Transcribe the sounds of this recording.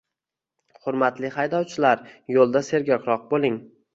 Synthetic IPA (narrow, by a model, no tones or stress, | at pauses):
χʊɾmat̪lɪχajd̪ɒwt͡ʃʰɪlaɾjolˠd̪ase̞ɾɡʲɒkɾɒq̚bolˠɪŋ